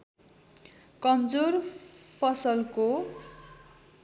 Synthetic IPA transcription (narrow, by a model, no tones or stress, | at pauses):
kʌmd͡zorpʰʌsʌlko